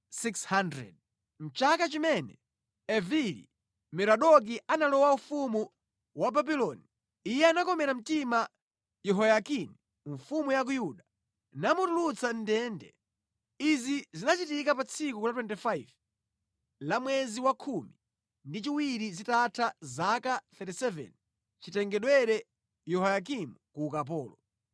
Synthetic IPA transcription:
sikshandɾɛ̰d̚ | m̩t͡ʃakat͡ʃimɛnɛ | ɛvilḭ | mɛɾaɗɔk̬iʔanalɔwaufumu | wababilɔni | ijɛanakɔmɛɾam̩tima | jɛɦɔjakini | ɱfumujak̬ujuɗa | namutulut͡sʰan̩dɛndɛ̰ | izizinat͡ʃitikapat͡sʰikulatwɛntifaiv | lamwɛziwakʰumi | ndit͡ʃiwiɾizitatʰazakaθɛtisɛvɛ̰n | t͡ʃitɛŋɡɛɗwɛɾɛ | jɔɦɔjak̬imukukap̬ɔːlɔ

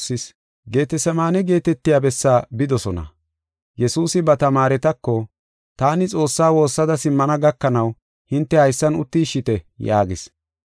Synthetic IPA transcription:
ɪs | ɡe̞ːt̪ɛsɐmaːnɛɡe̞ːt̪ɛt̪ːɪjaːbɛsːaːbɪd̪ɔsɔnɐ̰ | jɛsuːsɪbɐt̪ɐmaːɾɛt̪ɐkːɔ | t̪aːnɪt͡sʼo̞ːsːaːwo̞ːsːɐd̪ɐsɪmːɐnɐɡɐkːɐnɐw | hɪnt̪ːɛhɐjsːɐnʊt̪ːiʃɪt̪ɛja̰ːɡɪs

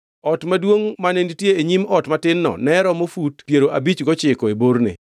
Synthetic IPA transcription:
ɔtmadwoŋmanenitjeeɲimɔtmatɪnːɔ̰nɛɾɔmofutpjeɾoʔabit͡ʃɡɔt͡ʃɪkɔebornɪ̰

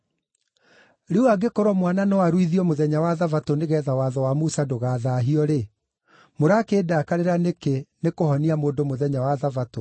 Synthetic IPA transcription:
ɾeuaɡekɔɾwɔmwananɔwaɾwiðiɔmoðɛɲawaðavatoneɣɛːðawaðɔwamusadoɣaːðaɦiɔɾe | moɾakeːdakaɾeɾanekenekohɔniamoːndomoðɛɲawaðavato

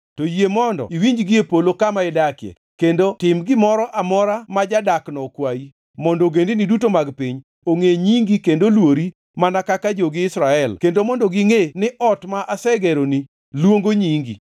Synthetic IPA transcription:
tojemɔndɔ̰iwiɲd͡ʒɡɪepolokamaɛdakjḛ | kendotɪmɡɪmɔɾɔʔamɔɾamad͡ʒadaknɔkwai | mɔndoɡendinidutomaɡpiɲ | oŋeɲiŋɡikendolwoɾi | manakakad͡ʒoɡɪːsɾaɛlkendomɔndɔɡɪŋenɪʔɔtmaʔasɛɡɛɾoni | lwoŋɡoɲiŋɡḭ

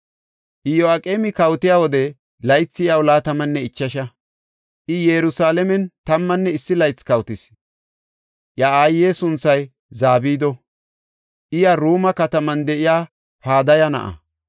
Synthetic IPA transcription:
ʔɪjoakʼeːmɪkɐwt̪ɪjaːwɔd̪ɛ | lɐjt͡sːɪjɐwlaːt̪ɐmɐnːɛɪt͡ʃːɐʃɐ | ʔɪjɛɾʊsaːlɛmɛnt̪ɐmːɐnːɛɪsːɪlɐjt͡sːkɐwt̪ɪs | ʔjaaːjːeːsʊnt͡sːɐj | zaːbiːd̪ɔ | ʔɪjɐɾuːmɐkɐt̪ɐmɐnd̪ɛʔɪjaː | paːd̪ɐjɐnɐ̰ʔɐ̰

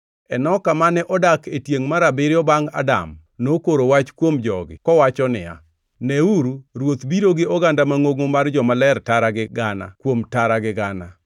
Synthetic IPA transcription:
ɛnɔkamanɛʔɔdaketjeŋmaɾabɪɾɪɔbaŋa̰da̰m | nokoɾowat͡ʃkwomd͡ʒɔ̰ɡɪ̰kɔwat͡ʃɔnɪja̰ | nɛuɾuɾwot̪biɾoɡɪɔɡandamaŋoɡomard͡ʒɔmalɛrtaɾaɡɪɡana̰kwomtaɾaɡɪɡana

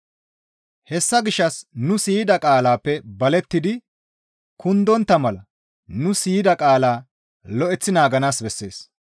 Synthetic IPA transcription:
hɛsːɐɡɪʃːɐsnʊsiːd̪ɐkʼaːlaːpːɛbɐlɛt̪ːɪd̪ɪ | kʊnd̪ɔnt̪ːɐmɐlɐ | nʊsiːd̪ɐkʼaːlaː | lɔʔɛt͡sːɪnaːɡɐnaːsbɛsːe̞ːs

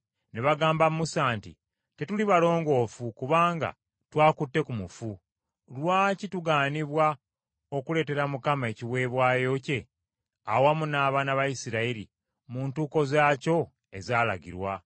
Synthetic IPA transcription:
neβaɡaːmbamusaːntḭ | te̞tuliβalo̞ːŋɡo̞ːfukuβaːŋɡa̰ | twaːkutːe̞kumufu | lwaːcituɡaːniβwa | o̞kule̞ːte̞ɾamukamae̞ciβwe̞ːβwaːjo̞ce̞ | awamunaːβaːnaβajisiɾaiɾḭ | muːntuːko̞zaːco̞ | e̞zaːla̰ɡḭɾwa

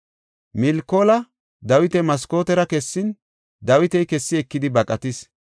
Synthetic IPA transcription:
mɪlkːo̞ːlɐ | d̪ɐwɪt̪ɛmɐsko̞ːt̪ɛɾɐkɛsːɪn | d̪ɐwɪt̪ɛjkɛsːɪɛkːɪd̪ɪbɐkʼɐt̪ɪs

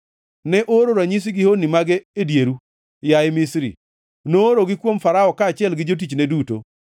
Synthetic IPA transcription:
nɛʔoɾoɾaɲis̬iɡɪhonimaɡɛedjeɾu | jajmɪsɾḭ | noːɾoɡɪkwomfaɾaɔkaːt͡ʃɪɛlɡɪd͡ʒot̬it͡ʃneduto̰

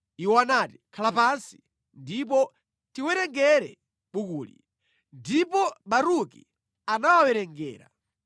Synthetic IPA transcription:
iwanati̥kʰalapansi̥ | ndip̬ɔ | tiwɛɾɛŋɡɛɾɛ | ɓukuːlḭ | ndipɔɓaɾukḭ | anawawɛɾɛŋɡɛ̰ːɾa̰

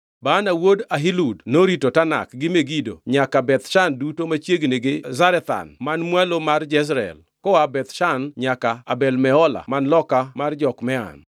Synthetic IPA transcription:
baːnawodaɦiludnoɾitotana̰kɡɪmeɡido̰ɲakabɛt̪ʃandutomat͡ʃjeɡneɡɪzaɾɛt̪a̰nmanmwalomard͡ʒɛs̬ɾɛ̰l | kɔabɛt̪ʃanɲakaabɛlmɛɔla̰manlɔkamard͡ʒɔkmɛa̰n

